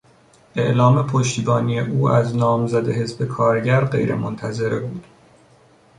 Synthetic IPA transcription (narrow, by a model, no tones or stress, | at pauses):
ʔeʔlɒːme̞pʰoʃt̪iːbɒːnijeʔuːæznɒːmzæd̪e̞ɦe̞zbe̞kʰɒːɾɟæɾɢe̞̰jɾḛmont̪ʰæze̞ɾebuːd̪̥